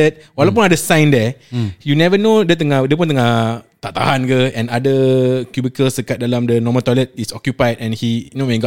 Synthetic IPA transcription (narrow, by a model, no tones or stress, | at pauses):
ɛt̪̚walawp̬ũnadəsãjndɛjunɛvənodət̪əŋadəp̬ũnt̪əŋat̪aʔt̪a̰ɦankəɛ̃nadəkjubikəlsdəkat̪̚dalamdənɔmə̃t̪walɛt̪̚isɔkjupajdɛ̃nhinowɛ̃nɡ